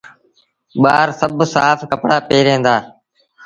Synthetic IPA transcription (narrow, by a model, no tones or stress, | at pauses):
ɓaːɾsəbsaːfkəpɽaːpeːɾẽːnd̪aː